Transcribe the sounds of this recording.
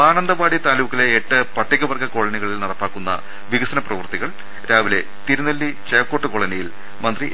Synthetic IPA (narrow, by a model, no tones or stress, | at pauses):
aːnɐnd̪ɐbaːɽit̪aːluːkːileːʈːɨpɐʈːikʲːɐʋɐrɡɐkoɭɐniɣɐɭilnɐɽɐpːaːkːunːɐ̰ | ʋiɣɐsɐnɐprɐʋɐrt̪iɣɐɭ | ɾaːʋile̞ | t̪iɾunɐlːit͡ɕeːkːoːʈːɨko̞ɭɐnɐjil | mɐnd̪ri